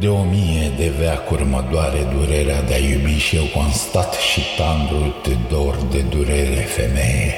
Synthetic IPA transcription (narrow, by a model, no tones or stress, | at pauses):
d̪e̞omijed̪eveakurmad̪waɾed̪uɾeɾead̪eajubiʃiewkuanst̪at̪ʃit̪and̪ɾult̪ed̪ord̪e̞d̪uɾeɾefḛmeje